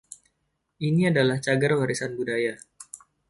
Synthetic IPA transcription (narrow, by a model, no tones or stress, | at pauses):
ʔiniadalaht͡ʃaɡarwaɾisanbudaja